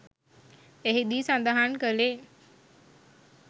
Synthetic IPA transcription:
eɦid̪isand̪aɦankəle

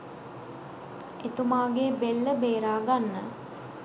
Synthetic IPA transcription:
et̪umaːɡeːbelːəbeːɾaːɡanːə̰

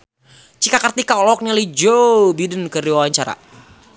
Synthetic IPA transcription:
t͡ʃikakərt̪ikaɔlɔk̚nalid͡ʒobidənkəriwawaɲt͡ʃaɾa̰

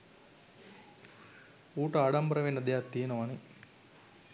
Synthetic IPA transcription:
uːʈɐaːɽɐmbɐɾɐʋenɐd̪ejat̪ːiːnɐʋɐni

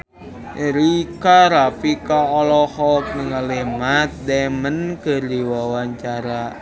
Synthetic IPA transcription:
ʔeɾikaɾapikaɔlɔhɔk̚nəŋalemat̪̚dɛmənkərdiwawaɲt͡ʃaɾa

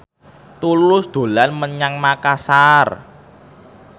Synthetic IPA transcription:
t̪ulʊsd̪̥o̤lanməɲaŋmakasar

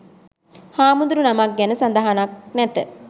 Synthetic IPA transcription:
haːmund̪uɾunamak̚ɡɛnəsand̪aɦanak̚nɛt̪ə

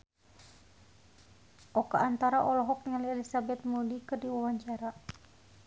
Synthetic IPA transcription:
ʔɔkaant̪aɾaʔɔlɔɦɔk̪̚ŋaliɛlisabɛt̪̚mudikɨrdiwawaɲt͡ʃaɾa

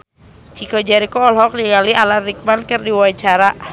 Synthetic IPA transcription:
t͡ʃikɔd͡ʒaɾikɔːlɦɔk̚liɡalialarik̚mankərdiwaat͡ʃaɾa

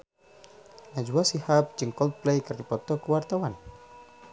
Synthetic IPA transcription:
nad͡ʒuasihap̚d͡ʒɨŋkɔlt̪̚plejkərd̪ipɔt̪ɔkəwart̪awan

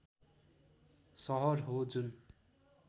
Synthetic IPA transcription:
sʌɦʌrɦod͡zun

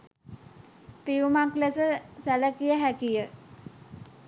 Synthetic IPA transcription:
piumaklesəsæləkijəɦækijə

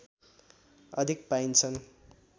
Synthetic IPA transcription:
ʌd̪ʱik̚pajnt͡sʰʌn

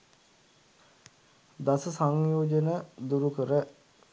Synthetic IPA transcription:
d̪asəsaŋjoːd͡ʒənəd̪uɾukəɾə

